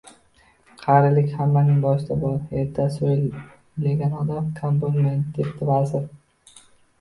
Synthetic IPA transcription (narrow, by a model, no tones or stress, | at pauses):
qʰaɾɪlɪkʲhamːanɪŋbɒʃt̪ʰabɒlheɾt̪ʰːasojl | leɡʲanɒd̪amkʰomponment̪d̪ept̪ɪbazɪɾ